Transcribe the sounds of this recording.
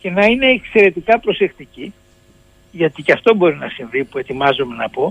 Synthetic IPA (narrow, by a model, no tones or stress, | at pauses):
ce̞nɐine̞ːkse̞ɾe̞t̪ikɐpɾo̞se̞xt̪ici | ʝɐt̪icɐft̪o̞bo̞ɾinɐsinvipue̞t̪imɐzome̞nɐpo̞